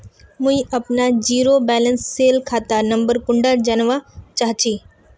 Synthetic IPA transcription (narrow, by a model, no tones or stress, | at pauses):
mũĩʔɐpnad͡ʑiːɾobɛːlənsːeːlkʰaːt̪anɐ̃mbəɾkʊɳɖad͡ʒanʋat͡ʃaːɦt͡ʃʰiː